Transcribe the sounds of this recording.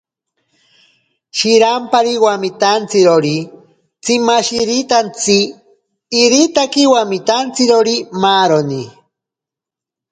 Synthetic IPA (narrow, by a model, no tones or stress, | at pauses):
ʃiɾampaɾiwamit̪ant͡siɾoɾi | t͡simaʃiɾit̪ant͡siː | ɾit̪akiwamit̪ant͡siɾoɾimaɾoni